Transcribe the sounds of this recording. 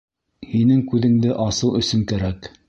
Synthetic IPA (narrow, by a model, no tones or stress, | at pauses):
hinɘŋkʉðɘ̆ŋd̪ɘʔɑsɤw̪ˠɵ̆sɵŋkæɾæk